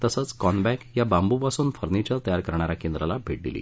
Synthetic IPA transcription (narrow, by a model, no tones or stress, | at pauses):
t̪əsət͡skɔnbækjabambupasuːnfəɾnit͡ɕəɾt̪əjaɾkəɾɳ̃aɾakend̪ɾalabʱeʈ̚d̪ḭlḭː